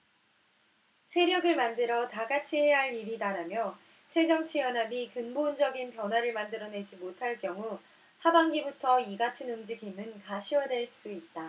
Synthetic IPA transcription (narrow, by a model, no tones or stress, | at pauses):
sʰe̞ɾjʌɡɯɭmandɯɾʌtaɡat͡ɕʰiɦe̞ɦaɭiɾidaɾamjʌ | sʰe̞d͡ʑʌŋt͡ɕʰijʌnɦabikɯnbond͡ʑʌɡinpjʌnɦwaɾɯɭmandɯɾʌne̞d͡ʑimotʰaɭk͈jʌŋu | sabaŋɡibutʰʌiɡatʰɯnumd͡ʑiɡimɯnkaɕʰiwʌdwe̞ɭs͈uit̚t͈a